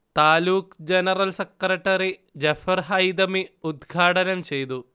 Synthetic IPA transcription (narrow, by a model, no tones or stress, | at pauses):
t̪aːluːkd͡ʑɐnɐɾɐlsɐkɾɐʈːɐɾid͡ʑɐfɐɾɦɐjd̪ɐmiud̪ɡʱaːʈɐnɐmt͡ɕejt̪u